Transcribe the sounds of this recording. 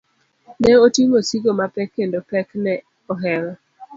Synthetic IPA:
nɛotiŋosiɡomapɛkːendopɛknɛ | ɔɦɛɾɔ

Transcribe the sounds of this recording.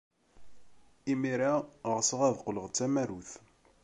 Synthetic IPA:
imiɾaʁsəʁæðqləʁt͡sːæmæɾuθ

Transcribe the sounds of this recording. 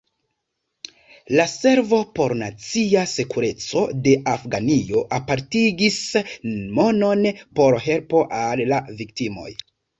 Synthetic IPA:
lase̞ɾvo̞po̞ɾnat͡siase̞kuɾe̞t͡so̞̰de̞ʔafɡanio̞ʔapaɾtiɡis | mo̞nonpo̞ɾɦe̞lpo̞ʔalːavik̚timo̞̰j

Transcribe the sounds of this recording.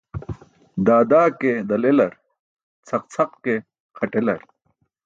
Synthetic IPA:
d̪aːd̪aːked̪ɐlelɐɾ | t͡sʰɐq̚t͡sʰɐqke | qʰɐʈelɐɾ

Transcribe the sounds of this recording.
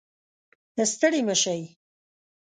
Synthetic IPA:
d̪̥əst̪əɽiməʃaj

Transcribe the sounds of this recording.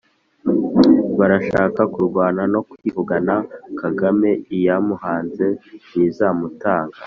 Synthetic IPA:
βaɾaʃaːkakuɾɡwaːnano̞kwivuɡanakaɡame̞ijamuhaːnze̞nizamutaːŋɡa

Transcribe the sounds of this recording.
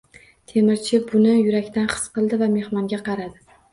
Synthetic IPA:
t̪ʰe̞mɪɾt͡ʃʰɪbʊnɪjʊɾakʲt̪anχɨ̥sqɨlˠd̪ɪvame̞hmɒŋɡʲaqʰɑɾad̪ɪ

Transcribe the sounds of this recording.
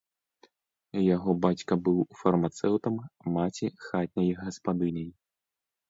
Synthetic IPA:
jaɣɔbat͡sʲkɐbɨwufɐrmat̪sɛwt̪ɐmːat͡sʲixat̪ʲnʲɐjɣɐspad̪ɨnʲɐj

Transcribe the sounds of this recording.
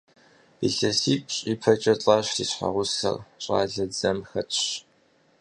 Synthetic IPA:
b̥iɮɐsiːkʼɕʼiːpʰɐt͡ʃʼɐt͡sʼaːɕrḭːɕħa̰ʁʷʊsɐ̰rɕʼa̰ːɮɐd͡zɐmxɐtʰʼɕ

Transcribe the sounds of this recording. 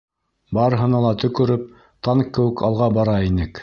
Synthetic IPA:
bɑɾɤ̆ɦɤ̆nɑlˠɑt̪ɵ̆kɵ̆ɾɵp̚ | t̪ɑŋkːɘ̆wɘ̆kɑlˠʁɑbɑɾɑinɘk

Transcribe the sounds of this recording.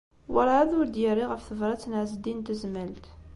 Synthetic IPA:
wəɾˤʕæðʊɾd̪jəɾːiʁəfθəvɾˤɑt͡sːnəʕzəd̪int̪əzməlt̪

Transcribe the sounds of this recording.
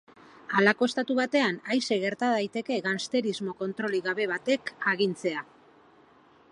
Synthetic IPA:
alako̞est̪at̪uβat̪e̞anajse̞ɣe̞ɾt̪aðajt̪e̞ke̞ɣanst̪e̞ɾizmo̞ko̞nt̪ɾo̞liɣaβe̞β̞at̪e̞kaɣ̞int͡se̞a

